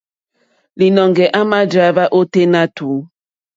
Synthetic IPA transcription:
li˨nɔ˨ŋɡɛ˨ʔa˦ma˦d͡ʒa˨˦ba˦ʔo˦te˦na˦tu˨˦

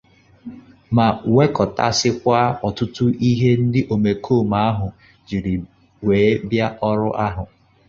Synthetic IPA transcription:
ma˨we˦kɔ˨ta̰˦sɪ˦kʷa˦ɔ˨tʊ˦tʊ˦ʔi˦ɦe˦n̩˦dɪ˦ʔo˨me˨kʰo˦˨ma˦a˦ɦʊ˨ | d͡ʒi˨ɾi˨ | weː˨˦bja˦ʔɔ˦ɾʊ˦ʔa˦ɦʊ˨

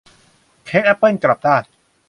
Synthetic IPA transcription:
kʰeː˦˥k̚ʔa˦˥pːɤ˥˩nkla˨˩p̚d̪aː˥˩j

